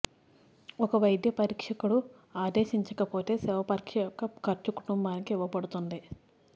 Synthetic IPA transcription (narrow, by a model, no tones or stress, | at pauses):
ɔkɐʋɐjd̪ʱjɐpɐɾiːkʂɐkuɽu | aːd̪e̞ːʃiɲt͡ʃɐkɐpo̞ːt̪e̞ːsɛʋɐpɐɾkʂɐjɔkːɐkɐɾt͡ʃukuʈumbaːnikiiʋːɐbɐɽut̪und̪i